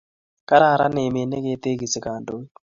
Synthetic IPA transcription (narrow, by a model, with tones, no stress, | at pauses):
ka˦ɾa˦˨ɾa˦nɪ˨me˨ne˦ke˦t̪e˦ɡi˨si˨ka˨ndo˦i˦